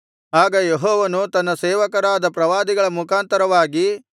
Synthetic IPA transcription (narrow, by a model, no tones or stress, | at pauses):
aːɡɐjeɦɔːʋɐnut̪ɐnːɐseːʋɐkɐɾaːd̪ɐpɾɐʋaːd̪iɡɐɭɐmukʰaːnt̪ɐɾɐʋaːɡi